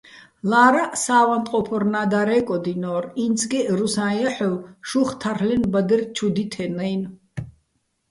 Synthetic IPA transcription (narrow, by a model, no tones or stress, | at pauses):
laːɾasaːwant̪ʼqʼɔpʰɔɾnad̪aɾɛːkʼɔd̪inɔːɾint͡sʰɡɛɾusãjaħɔwʃuχt̪ʰaɾlɛnbad̪ɛrt͡ʃʰud̪it̪ʰɛnɛjn